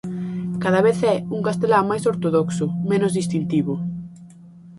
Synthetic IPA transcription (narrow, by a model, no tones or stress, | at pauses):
kað̞ɐβeθɛuŋkast̪elamajsoɾt̪oðɔksʊmẽnʊzðist̪int̪iβʊ